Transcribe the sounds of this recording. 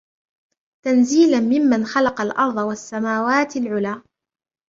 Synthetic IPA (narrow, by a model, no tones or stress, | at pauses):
t̪anziːlanmɪmːanxalɑqɑlʔɑɾˤd̪ˤɑwasːamaːwaːt̪ɪlʕʊlaː